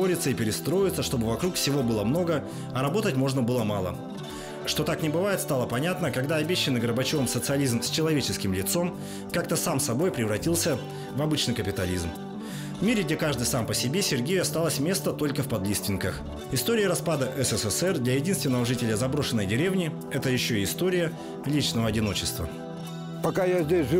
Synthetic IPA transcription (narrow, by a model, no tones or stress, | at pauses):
oɾʲɪt̪səipʲɪɾʲɪst̪ɾo̞jɪt̪səʂt̪o̞bɨvɐkɾukfsʲɪvo̞bɨlˠəmno̞ɡə | ɐɾɐbo̞t̪ətʲmo̞ʐnəbɨlˠəmalˠə̰ | ʂt̪o̞t̪aknʲɪbɨvajɪt̪st̪alˠəpɐnʲat̪nəkɐɡd̪aɐbʲeɕːɪnːɨɡəɾbɐt͡ɕovəmsət̪sɨɐlʲizmsʲt͡ɕɪlˠɐvʲet͡ɕɪskʲɪmlʲɪt̪so̞m | kak̚t̪əsamsɐbo̞jpɾʲɪvɾɐtʲilˠsʲə | vɐbɨt͡ɕnɨjkəpʲɪt̪ɐlʲizm | vmʲeɾʲɪɡdʲekaʐd̪ɨjsampəsʲɪbʲe̞sʲɪrɡʲejʊɐst̪alˠəsʲmʲe̞st̪ət̪o̞lʲkəfpɐd̪lʲist̪vʲɪnkəx | ɪst̪oɾʲɪjəɾɐspad̪əʔɛsɛsɛsɛrd̪lʲɐjɪdʲinst̪vʲɪnːəvəʐɨtʲɪlʲəzɐbɾo̞ʂɨnːəjdʲɪɾʲe̞vnʲɪ | ɛt̪əjɪɕːoiɪst̪oɾʲɪjə | lʲit͡ɕnəvəɐdʲɪno̞t͡ɕɪst̪və̰ | pɐkajazʲdʲesʲʐɨ